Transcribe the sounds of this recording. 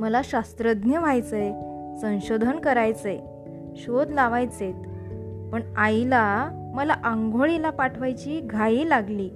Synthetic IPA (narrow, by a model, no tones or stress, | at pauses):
məlaɕast̪ɾəd̪njəʋajt͡səj | sə̃w̃ɕod̪ʱənkəɾajt͡səj | ɕod̪laʋajt͡set̪ | pəɳajla | məlaʔaŋɡʱoɭilapaʈʰʋajt͡ɕiːɡʱaiːlaɡliː